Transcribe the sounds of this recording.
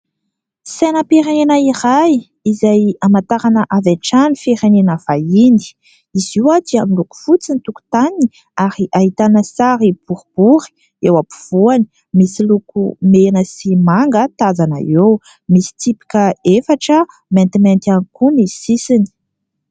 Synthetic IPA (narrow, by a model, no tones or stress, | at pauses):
senəpiɾenenaiɾaj | izajamat̪aɾanəʔavaʈ͡ʂanifiɾenenəv̥aini̥ | iz̥iwad̪iamiluku̥fut͡sinit̪uku̥t̪ani | aɾiʔaɦit̪anəsaɾib̥uɾub̥uɾi̥ | ewapu̥v̥uani̥ | misilukṵmenəsimaŋɡət̪azana̰ew | misi̥t̪ipi̥kəefaʈ͡ʂə | ment̪iment̪ianikunisisini̥